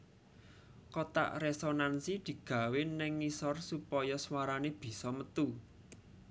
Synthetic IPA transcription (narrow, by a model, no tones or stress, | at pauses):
kot̪a̰ʔresonansid̪̥i̤ɡ̥ä̤wɪnːɪŋːisɔrsupɔjɔswaɾaneb̥i̤sɔmət̪u